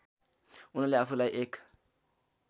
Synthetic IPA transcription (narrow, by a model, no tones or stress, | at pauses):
unaleafulaʔekḁ